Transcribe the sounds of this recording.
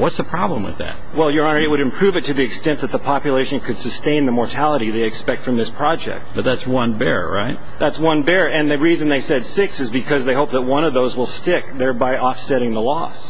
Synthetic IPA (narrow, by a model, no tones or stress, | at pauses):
wʌtsəpʰɹ̥ɑblə̃mwɨ̰ðæ̰t̚wɛlˠjə˞ɑ̃nə˞ɨt̚wɨɾɨ̃mpʰɹ̥ʉvɨtʰɨðiɨkstɛ̃nðɨt̪̚ðəpʰɑpjɨleɪʃɨ̃nkʰɨd̥sɨstẽɪ̃nðəmɔɹtʰælˠəɾiðeɪɨkspɛk̚tfɹʌ̃mðɪspʰɹ̥ɑd͡ʒɛ̰k̚t̚b̥ʌt̪̚ðætswʌ̃nbɛ̰ɹɹa̰ɪt̚ | ðætswʌ̃nbɛɹɨ̃nðɨɹizɨ̃n̩ðeɪsɛd̥sɪksɨzbɨkʰʌzðeɪɦoʊp̚ðət̚wʌ̃ñʌvðoʊzwəlˠstɪk̚ðɛɹbaɪɔfsɛɾɪ̃ŋðəlɔ̰s